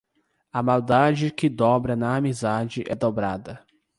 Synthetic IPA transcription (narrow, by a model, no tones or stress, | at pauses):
ɐmawd̪ad͡ʒɪkɪd̪ɔbɾɐnɐːmizad͡ʒɪʔɛd̪obɾa̰d̪ɐ